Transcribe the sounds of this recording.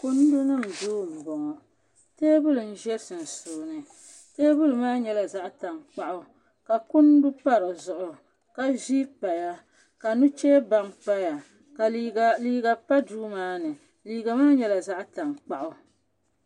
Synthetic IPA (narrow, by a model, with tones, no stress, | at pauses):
kʊ˦n˦du˦nɨ˦m̩˨doː˦˨m̩˨bɔ˨ŋɔ˨ | teː˦bʊ˦lɨ˨n̩˨ʒɛ˦ɾsɨ˨n̩˨soː˨nɨ˨ | teː˦bʊ˦lɨ˨maː˦ɲɛ˦la˨za˦ʔta˨ŋk͡pa˦ʔʊ˨ | ka˨kʊ˦n˦du˦pa˦ɾɨ˨zʊ˨ʔʊ˨ | ka˦vi˦pa˨ja˦ | ka˨nu˦t͡ʃeː˦ba˨ŋk͡pa˦ja˨ | ka˨˦˨liː˦ɡa˨pa˦duː˦maː˦nɨ˨ | liː˦ɡa˨maː˦ɲɛ˦la˨za˦ʔta˨ŋk͡pa˨ʔʊ˨